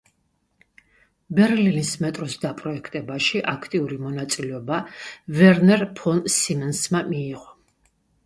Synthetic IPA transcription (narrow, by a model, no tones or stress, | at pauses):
bɛɾlinismɛt̪ʼɾɔsd̪apʼɾɔɛkʰt̪ʼɛbaʃiʔakʰt̪ʼiuɾimɔnat̪sʼilɛɔbavɛɾnɛɾpʰɔnsimɛnsmamiːʁɔ